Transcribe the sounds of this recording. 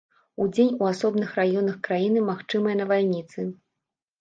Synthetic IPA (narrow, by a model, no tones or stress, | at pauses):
ud͡zʲenʲuasɔbnɨxrajɔnɐxkɾajinɨmaxt͡ʂɨmɐjɐnɐvalʲnʲit̪sɨ